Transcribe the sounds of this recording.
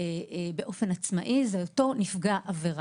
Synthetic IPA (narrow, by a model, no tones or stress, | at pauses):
be̞ʔo̞fe̞nat͡sma̰ʔizejoto̞nifɡaʔaveʁ